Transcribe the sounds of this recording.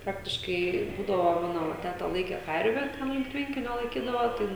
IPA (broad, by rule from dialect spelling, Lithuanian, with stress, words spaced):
ˈprɑːktʲɪʃkɐɪ ˈbuːdɐʋoː ˈmɑːnoː ˈʋɐ ˈtʲæːtɐ ˈlˠɐɪkʲɛ ˈkɐrʲʋʲɛ ˈtʲɛn lʲɪŋk ˈtʲʋʲɛŋʲkʲɪnʲoː lˠɐɪˈkʲiːdɐʋoː ˈtɐɪ